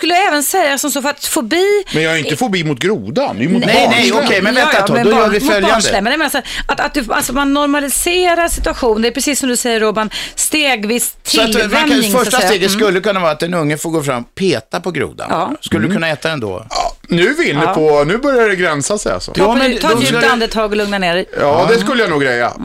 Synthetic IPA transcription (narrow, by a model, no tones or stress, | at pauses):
skɵlːəd̪ɛːvənsɛjːasɔmsoːfœɾat̪fɔbiːmɛnjɑːhaɾɪnəfɔɾbiːmʊt̪̚ɡɾuːd̪anmʊnɛjnɛjɔkʰɛjmɛnvɛːaɔd̪ɔjœːɾvɪfœljanəlɛmɛnjameːnasaat̪at̪̚d̪ʉa̰lsɔmanːɔɾmalɪseːɾaɾʂɪt̪ɵaɧuːnnd̪ɛæpʰɾɛsiːsːɔmd̪ɵsɛjːəɾoːbanst̪eːɡvɪst̪ʰːstlɛɪŋfœʂsʈasseːɡ̪ɛskɵlːəkɵnːavɑːɾat̪d̪ɛnɵŋːəfoːɾɡoːfɾa̰mːpʰeːt̪apɔɡɾṵːd̪a̰nskɵlːəd̪kʰɵnːaɛːt̪ad̪ɛnd̪o̰nʉ̟ːvɪɪnɛpʰɔnʉ̟ːbœɾjaɖɛɡɾɛnsasɛ̰ja̰lsɔ̰jɑːmɛt̪ʰːand̪ət̪ʰɑːɡɔlɵŋnaneːɾɛɑːd̪ɛskɵlːəjanuːɡɾɛjːa̰